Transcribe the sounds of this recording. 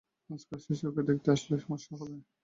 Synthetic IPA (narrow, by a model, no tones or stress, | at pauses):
askaʃiʃoked̪ekʰt̪eaʃleʃɔmoʃːakole